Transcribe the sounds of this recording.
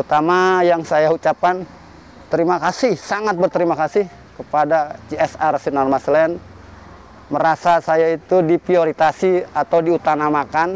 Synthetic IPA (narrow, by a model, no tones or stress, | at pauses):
ut̪amajaŋsajaut͡ʃap̚kan | t̪əɾimakasɪhsaŋat̪̚bərt̪əɾimakasɪh | kəpadat͡ʃiɛsarsinalmaslɛn | məɾasasajait̪udipɾioɾit̪asiat̪awdiut̪anamakan